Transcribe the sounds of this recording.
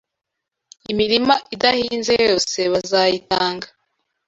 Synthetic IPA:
imiɾimaʔidahiːnzejo̞ːse̞βazajitaːŋɡḁ

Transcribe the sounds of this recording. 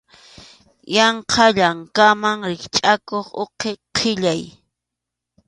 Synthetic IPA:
jɑɴqʰɑʎaŋkamaŋɾɪkt͡ʃʼakoχoqʰeqʰɪʎaj

